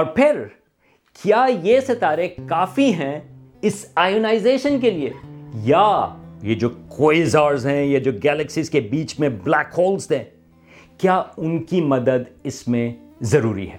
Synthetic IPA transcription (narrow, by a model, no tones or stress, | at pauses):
ɔːɾpʰɪɾ | kʰjaːjesɐt̪aːɾekaːfiɦɛ̃ | ɪsaːɪjoːnaːɪzeːʃənk̬eliejajed͡ʒoːkʰoːɪzaːɾzɦɛ̃jad͡ʒoːɡɛːlɛksizkebiːt͡ʃmẽblɛːkɦɔːlsd̪ẽː | kjaːʊnkimɐd̪əd̪ɪsmẽzɐɾṵːɾḭɦɛ̰ː